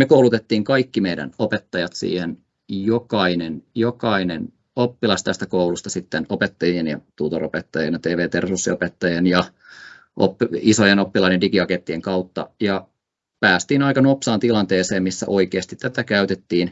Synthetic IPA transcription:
mekowlut̪et̪ːiːŋkɑikːimeidæ̰nopet̪ːɑjɑt̪sḭːhen | jokɑinenjokɑinen | opːilɑst̪æst̪ækoulust̪ɑsit̪ːenopet̪ːɑjienjɑ̰t̪ut̪oro̰pet̪ːɑjenjɑt̪eːʋeːt̪ersusːiopet̪ːɑjenjɑ | ʔo̰pːisojenopːilɑidendikiɑket̪ːieŋkɑut̪ːɑ̰jɑ | pæːst̪iːnɑikɑnopsɑːnt̪ilɑnt̪eːseːmmisːæ̰ʔoikeːst̪it̪ːæt̪ækæyt̪et̪ːiːn

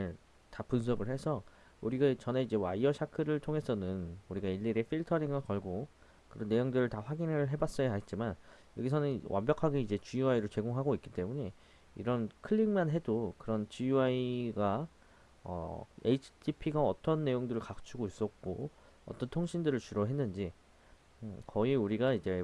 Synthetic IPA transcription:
tapunsʰʌɡɯɭhe̞sʰʌ | uɾiɡat͡ɕʌne̞id͡ʑe̞waiʌɕʰakʰɯɾɯɭtʰoŋɦe̞sʰʌnɯnuɾiɡaiʎːiɾe̞fʰiɭtʰʌɾiŋɯɭkʌɭɡo | kɯɾʌnːe̞joŋdɯɾɯɭtaɸwaɡinɯɭɦe̞bas͈ʌjaɦat̚t͡ɕ͈iman | jʌɡisʰʌnɯnwʔa̰mbjʌkʰaɡeid͡ʑe̞t͡ɕujuaiɾɯɭt͡ɕe̞ɡoŋɦaɡoik͈i̥t͈e̞muɲe̞ | ḭɾʌnkʰɯʎːiŋmanɦe̞dokɯɾʌnt͡ɕujuaiɡa | ʌ̰ḛit͡ɕʰtʰipʰiɡaʌt͈ʌnːe̞joŋdɯɾɯɭkakt͡ɕʰuɡois͈ʌk̚k͈o | ʌ̰t͈ʌntʰoŋɕʰindɯɾɯɭt͡ɕuɾʌɦe̞nːɯnd͡ʑi | kʌiuɾiɡaid͡ʑe̞

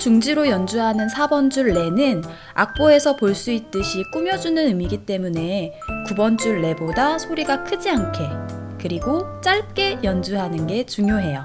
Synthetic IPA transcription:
t͡ɕuŋd͡ʑiɾojʌnd͡ʑuɦanɯnsʰabʌnd͡ʑuɭːe̞nɯn | a̰k̚p͈oe̞sʰʌpoɭs͈uit̚t͈ɯɕʰik͈umjʌd͡ʑunɯnɯmiɡit͈e̞mune̞ | kubʌnd͡ʑuɭːe̞bodasʰoɾiɡakʰɯd͡ʑiankʰe̞ | kɯɾiɡot͡ɕ͈aɭ̚k͈e̞jʌnd͡ʑuɦanɯnɡe̞t͡ɕuŋjoɦe̞jo̰

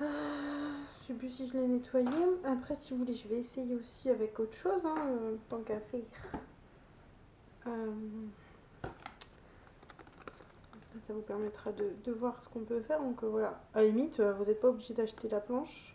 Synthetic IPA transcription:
a | ʃepysiʒəlɛnet̪wajeapχɛsivuvuleʒəvɛːsejeosiavɛkot̪χə̥ʃozɛ̃øt̪ɑ̃kafɛʁ | øm | sasavupɛʁmɛt̪χad̪əd̪əvwaʁsə̥kɔ̃pøfɛʁd̪ɔ̃køvwalaaymit̪øvuzɛt̪̚paobliʒed̪aʃt̪elaplɑ̃ʃ

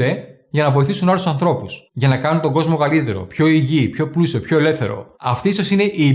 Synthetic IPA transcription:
e̞ | ʝɐnɐvo̞iθisunɐlusɐnθɾo̞pusʝɐnɐkɐnunt̪o̞ɡo̞zmo̞kɐlit̪e̞ɾo̞̰pço̞iʝipço̞plusiopço̞ele̞fθe̞ɾo̞̰ɐft̪iiso̞sine̞ʔiː

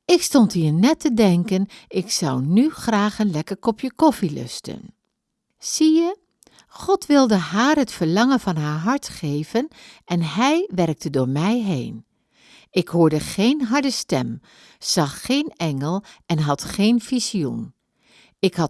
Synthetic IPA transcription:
ɪkstɔntɦiːɹnɛtədɛŋkənɪksʌwnyχraːχənlɛkəɹkɔpjəkɔfilɵ̰stə̰n | z̥ijə | χɔtʋɪlˠdəɦaːɹɦətfəɹlɑŋənvɑnɦaːɹɦɑɹtχejvənʔɛnɦɛjʋɛrk̚tədʊːɹmɛjɦḛjn | ɪkɦʊːɹdəχejnɦɑɹdəstɛm | z̥ɑχːejnɛŋəlˠɛnɦɑtχejnfiziṵn | ɪkɦɑ

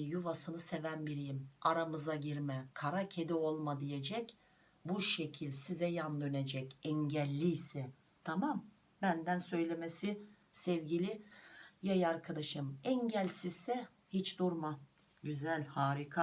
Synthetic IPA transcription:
juvasɯnɯsevænbiɾijimaɾamɯzaɟiɾmɛkʰaɾacʰed̪io̞lˠmad̪ije̞d͡ʒɛc | buʃecʰilʲsizɛjand̪ø̞ned͡ʒɛcɛɲɟɛlʲːisɛ | t̪ʰamam | bænd̪ænsø̞jlʲe̞mesi | sɛvɟilʲijajaɾkʰad̪aʃɯmɛɲɟælʲsizsɛ | hit͡ʃd̪uɾma | ɟyzælʲhaːɾikʰa

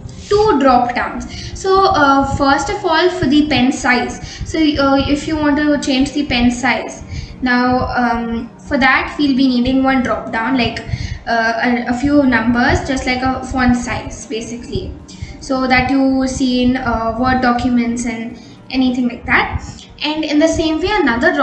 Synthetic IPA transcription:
ʈuːɖɾɔːpɖãʊ̃ns | soːfəɾsʈɔfɔːlfɔɾd̪ipɛ̃nsaɪz̥soːɪfjuʋɔ̃ːɳʈut͡ʃẽːnd͡ʒd̪ipɛ̃nsaɪz | naʊʌ | fɔɾd̪æʈʋiːlbiniːɖɪ̃ŋɡʋʌ̃nɖɾɔːp̚ɖãʊ̃nlaɪkː | əəfjuːnʌ̃mbəɾzd͡ʒʌstʈlaɪkəfʌ̃nsaɪz̥beːsɪkli | soːd̪æʈjuːsĩːnəʋəʈ̚ɖɔkʰjumɛ̃nʈsɛ̃n | ʔɛnit̪ʰɪ̃ŋlaɪk̚d̪æʈ̚ | ʔɛ̃ɳɖɪ̃nd̪əsẽːmʋeːənʌd̪əɾɾ

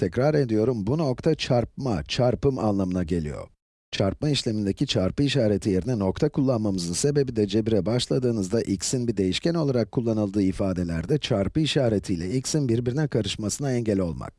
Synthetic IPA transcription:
t̪ʰɛcɾaɾe̞d̪ijo̞ɾumbuno̞kt̪ʰat͡ʃʰaɾp̚mat͡ʃʰaɾpɯma̰nlˠamɯnaɟe̞lʲḭjo̰ | t͡ʃʰaɾpmaiʃlʲe̞mind̪ecit͡ʃʰaɾpɯiʃaːɾe̞t̪ʰije̞ɾinɛno̞kt̪ʰakʰulˠːanmamɯzɯnse̞be̞bid̪ɛd͡ʒe̞biɾɛbaʃlˠad̪ɯːnɯzd̪aʔicsinbid̪e̞jiʃcɛno̞lˠaɾakʰːulˠːanɯlˠd̪ɯːifaːd̪e̞lʲæ̰ɾd̪ɛt͡ʃʰaɾpɯiʃaːɾe̞t̪ʰijlʲɛicsinbiɾbiɾinɛkʰaɾɯʃmasɯnaɛɲɟɛlʲo̞lˠma̰k̚

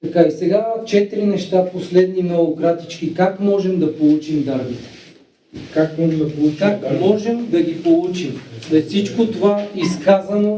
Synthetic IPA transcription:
t̪ɐkaisɛɡat͡ʃɛt̪ɾinɛʃt̪aposlɛd̪ninɛokɾat̪it͡ʃkikakmɔʒɛmd̪ɐpolˠut͡ʃimd̪aɾbit̪ɛ̥ | kakmɔʒɛmd̪pukakmɔʒɛmd̪ɐɡʲipolˠut͡ʃimɛfsit͡ʃkot̪ovaiskazɐno

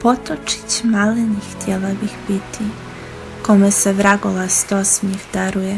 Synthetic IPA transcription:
pot̪ot͡ʃi̥t͡ɕmalinixt̪jelabixbit̪ʰi | ko̞meseʋɾaɡolast̪osmixd̪aɾuje

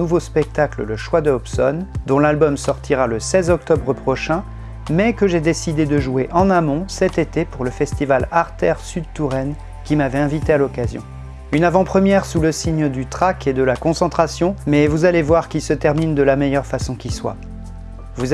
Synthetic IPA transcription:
uvospɛk̚t̪aklə̰ləʃwad̪əɔpsɔnd̪ɔ̃lalbɔmsɔʁt̪ʰiʁaləsɛzɔk̚t̪ɔbʁəpχɔʃɛ̃ | mɛkəʒed̪esid̪ed̪əʒueʔɑ̃namɔ̃sɛt̪et̪epuʁləfɛst̪ivalaʁt̪ɛʁsyd̪t̪uʁɛn | kʲimavɛɛ̃vit̪ealɔkazjɔ̰̃ | ynavɑ̃pχəmjɛʁsuləsiɲd̪yt̪χakʰed̪əlakɔ̃sɑ̃t̪χasjɔ̃mɛvuzalevwaʁkʲisət̪ɛʁmind̪əlamɛjœʁfasɔ̃kʲiswa̰ | vuz

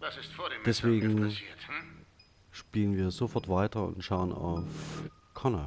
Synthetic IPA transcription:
d̥ɛsvv̥eːɡŋ̩ | ʃpiːlənviːɐzofɔɐtv̥aɪtɐʊ̰ntʃaʊəna̰ʊf | kʰana

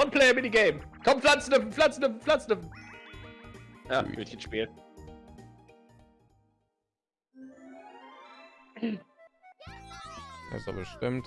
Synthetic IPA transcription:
ɔnpʰl̥ɛɪɐmɪdiɡeɪmkʰɔmflant͡sndəv̩flant͡sn̩dəflant͡sndəv̩ | jaːɡøtçənʃpiːl | ja̰zo̰bəʃtɪmt

